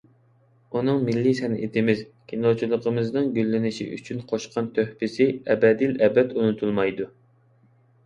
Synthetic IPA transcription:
unɨŋmɪlːisɛnʔɪ̰t̪ʰɪmɪz | kʲʰinot͡ʃʰulˠəqʰəmɨznɨŋɡʲølːɪnɪʃḭʔy̰t͡ʃʰynqʰoʃqʰɑnt̪ʰøhpɪsɪɛbɛd̪ɨlɛbɛt̪unut̪ʰulˠmɑjd̪u

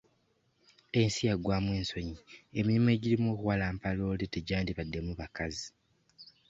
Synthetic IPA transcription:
e̞nsijaɡːwaːmweːnso̞ɲiemiɾime̞ɟilimoːkuwalaːmpalo̞ːleteɟaːndiβadːe̞muβakazi

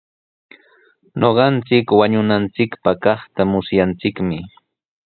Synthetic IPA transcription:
ɲoɢɑnt͡sɪkwaɲʊnant͡sɪkpɑkɑχt̪amʊsjant͡sɪkmɪ

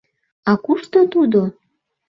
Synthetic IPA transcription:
ɑkuʃt̪ot̪ud̪o

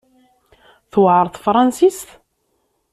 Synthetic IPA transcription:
θwəʕɾˤθˤfɾˤɑnsist̪

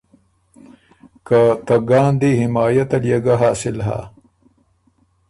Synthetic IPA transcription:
kat̪ɐɡaːnd̪ihimaːjɐt̪ɐljɐɡɐɦaːsilɦa̰

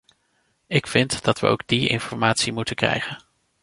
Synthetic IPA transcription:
ɪkfɪntd̥ɑtʋə̰o̰wɡ̚diɪ̰nfɔɹmaːtsimutəkrɛ̰jχən

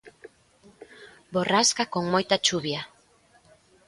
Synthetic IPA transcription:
boraskakoŋmojt̪at͡ʃuβja

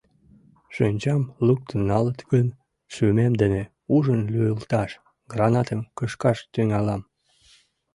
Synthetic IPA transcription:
ʃønʲt͡ɕɑmluk̚t̪ənːɑlət̪ɡən | ʃymemd̪ene | uʒənlujəlt̪ɑʃ | ɡrɑnɑt̪əmkəʃkɑʃt̪yŋɑlɑm

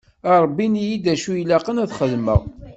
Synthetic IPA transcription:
ɑɾˤbːinijid̪æʃujlæqənæθχəðmə̰ʁ

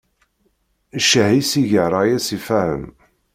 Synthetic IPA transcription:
ʃəhisiʝəɾˤajæsifæhə̰m

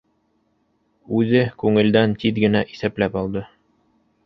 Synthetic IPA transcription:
ʉðɘkʉŋɘ̆ld̪ænt̪iðɡɘ̆næʔisæplæpɑlˠd̪ɤ

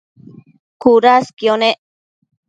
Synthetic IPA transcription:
kuɾaskioneʔ

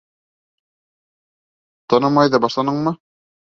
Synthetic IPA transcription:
t̪ɑnɤmɑjðɤbɑʃlˠɑnɤɴmɤ

